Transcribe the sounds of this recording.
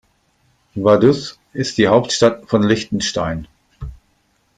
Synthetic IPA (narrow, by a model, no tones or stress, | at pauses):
vadʏs | ʔɪst̚d̥iːhaʊp̚tʃtatfɔnlɪçtn̩ʃtaɪn